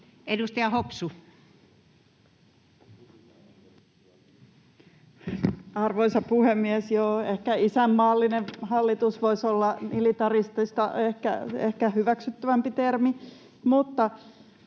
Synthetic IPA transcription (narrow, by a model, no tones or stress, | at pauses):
edust̪ɑjɑhopsu | ɑrʋoisɑpuhemːiesjoehkæisæmːɑːlːinehɑlːit̪usʋoisolːɑmilit̪ɑrist̪ist̪ɑ̰ehkæ̰ehkæhyʋæksyt̪ːæʋæmpit̪ermi | mut̪ːɑ